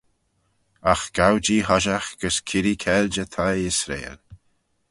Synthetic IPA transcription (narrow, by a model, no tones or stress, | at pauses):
axɡ̥awd͡ʒiːhɔʒaxɡ̥əskʰɪɾikʰɛld͡ʒət̪ʰajɪsɾḛːl